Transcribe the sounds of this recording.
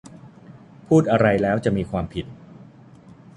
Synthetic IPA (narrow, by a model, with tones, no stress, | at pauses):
pʰuː˥˩t̪̚ʔa˧ɾa˧jlɛː˦˥wt͡ɕa˨˩ʔmiː˧kʰwaː˧mpʰi˨˩t̪̚